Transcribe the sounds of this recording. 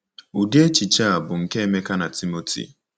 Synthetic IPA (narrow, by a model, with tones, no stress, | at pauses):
u˨di˦e˦t͡ʃi˨t͡ʃa˦˨bʊ˨ŋ̩˨ke˦e˦me˦ka˦na˨ti˦mo˦tʰḭ˨